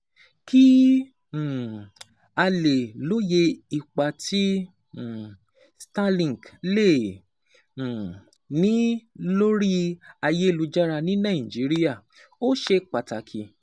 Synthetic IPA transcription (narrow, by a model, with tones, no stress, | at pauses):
kĩ˦˨ | a˧le˨lo˨˦je˧i˧k͡pa˨tĩ˦˨ | sta˦lĩ˨ɡle˦˨ | nĩ˦lo˦ɾi˦a˧je˦e˦˨lu˧d͡ʒa˦ɾa˧nĩ˦nã˦˨ĩ˨d͡ʒi˨˦ɾi˦ja˦˨ | o˦ʃe˧k͡pa˨ta˨kʰi˨